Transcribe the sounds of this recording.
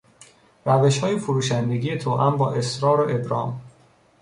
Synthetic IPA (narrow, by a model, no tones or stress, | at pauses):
ɾæveʃhɒːjefoɾuːʃænd̪eɡijet̪ʰoːʔæ̰mbɒːʔe̞sɾɒːɾoʔebɾɒːm